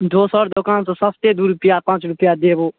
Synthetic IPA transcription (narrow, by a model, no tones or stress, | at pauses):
d̪oːsɔːɾd̪okaːnsãːsəst̪eːd̪uːɾʊpɪjaːpãːt͡ʃɾʊpjaːd̪eːboː